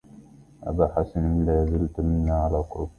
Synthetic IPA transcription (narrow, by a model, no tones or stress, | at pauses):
ʔa̰baħasanlajaziltaminːaʕalakʊɾ